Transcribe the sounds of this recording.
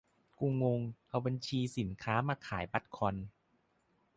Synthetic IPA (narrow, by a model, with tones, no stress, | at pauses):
ku˧ŋwo˧ŋʔa˧wba˧nt͡ɕʰiː˧si˨˩˦nkʰaː˦˥maː˧kʰaː˩˦jba˦˥t̪̚kʰɔ˧n